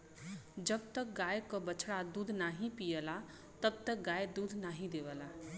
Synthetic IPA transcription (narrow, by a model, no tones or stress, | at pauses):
d͡ʒəbt̪ək̚ɡaːjkobət͡ʃʰɽad̪uːd̪ʱnaːɦĩpijəla | t̪əb̚t̪ək̚ɡajd̪uːd̪ʱnaːɦĩd̪eʋəla